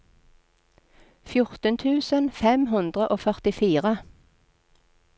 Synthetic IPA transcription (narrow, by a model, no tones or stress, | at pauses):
fjʊʁt̪ənt̪ʰʉːsənfɛmɦʉnd̪ʁəʔoːfœʁt̪ɪfiːʁə